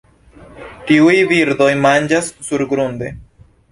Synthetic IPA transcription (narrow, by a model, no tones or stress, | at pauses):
tiujviɾd̪o̞jmand͡ʒasːuɾɡɾunde